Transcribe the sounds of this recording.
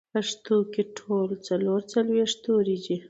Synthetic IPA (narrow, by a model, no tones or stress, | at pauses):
pəʂt̪okeʈʰolt͡saloɾt͡salweʂt̪oɾid͡ʒi